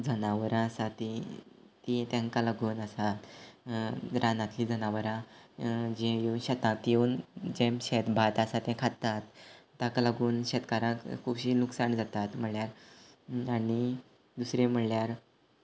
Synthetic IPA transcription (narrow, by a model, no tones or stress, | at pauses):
d͡zʱənaʋəɾãsat̪ːit̪it̪ãŋkalaɡuːnəsat̪ | ɾʔanãt̪liːd͡zʱənaʋəɾã | d͡ʑẽjeunɕɛt̪ãt̪jeuːnd͡ʑẽmɕet̪bʱat̪asat̪ɛ̃kʰat̪at̪ː | ãkalaɡuːnɕet̪kaɾãkkʰubɕiːluksand͡zat̪at̪m̤əɽljaɾ | aɽi | d̪usɾem̤əɽljaɾ